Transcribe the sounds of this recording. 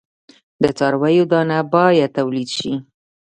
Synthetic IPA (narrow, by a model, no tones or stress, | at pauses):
d̪ət͡sɑɾwajod̪ɑnabɑjad̪̚t̪ːawlid̪ʃi